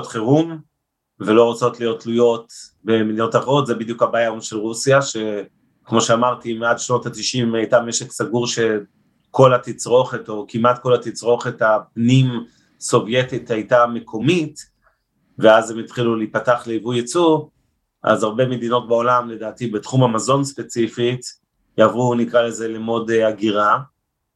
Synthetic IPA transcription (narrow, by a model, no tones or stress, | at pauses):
otχeʁum | velo̞ʁot͡so̞tlijo̞tlujo̞t | bemiiotaʁotzebid̪jukhabajaonʃelʁusjaʃe̞ | kmo̞ʃeamaʁtimadʃno̞tatiʃimajtameʃeksaɡuʁʃe̞ | ko̞lat̪it͡sʁo̞χeto̞kimat̚ko̞latit͡sʁo̞χetapnim | so̞vje̞tithajtamekʰo̞mit | veazemit̪χiluliipataχleivujet͡su | ʔa̰zaʁbe̞med̪ino̞t̚baolamle̞daːtibetχumamazo̞nspe̞t͡sifit | javunikʁale̞ze̞lemo̞deaɡiʁa